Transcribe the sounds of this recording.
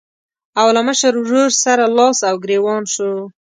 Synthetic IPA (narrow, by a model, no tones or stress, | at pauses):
awlaməʃəɾwɾoɾsaɾalɑsawɡɾewɑnʃo